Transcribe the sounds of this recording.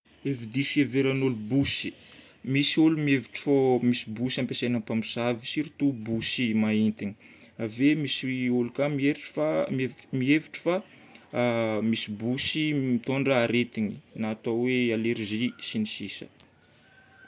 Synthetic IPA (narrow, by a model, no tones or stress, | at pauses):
evid̪isieveɾanolubusi̥ | misiolumieviʈ͡ʂfomisibusampesenapamisavisiɾit̪ubusimaint̪iɲi̥ | avemisiolukamieɾiʈ͡ʂfamevmieviʈ͡ʂə̥fa | misibusimit̪oɳɖ͡ʐaaɾet̪iɲinat̪awealeɾizisinisisə̥̰